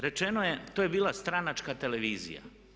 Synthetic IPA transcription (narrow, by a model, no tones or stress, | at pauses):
ɾe̞t͡ʃe̞noje̞t̪ojebiːlˠast̪ɾanat͡ʃkat̪e̞le̞ʋiːzḭja̰